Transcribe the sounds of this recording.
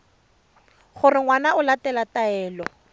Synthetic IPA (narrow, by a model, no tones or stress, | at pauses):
χʊrɪŋwanaʊlatɛlataɛːlɔ